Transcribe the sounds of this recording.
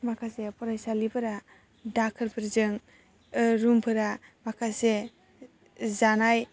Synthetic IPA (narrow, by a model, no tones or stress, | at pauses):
makʰasepɔɾajsalibʰɯɾa | dakʰɯɾpʰɯɾzɯŋ | ɯɾumpʰɯɾamakʰase | zanaj